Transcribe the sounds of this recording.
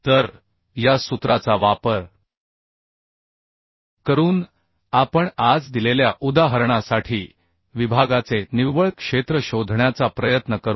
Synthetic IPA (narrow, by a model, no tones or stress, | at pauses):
t̪əɾ | jasut̪ɾat͡saʋapəɾ | kəɾuːn | apəɳad͡zd̪ileljaʔud̪aɦəɾɳasaʈʰiː | ʋibʱaɡat͡seniʋəɭkʂet̪ɾəɕod̪ʱɳjat͡sapɾəjət̪nəkəɾ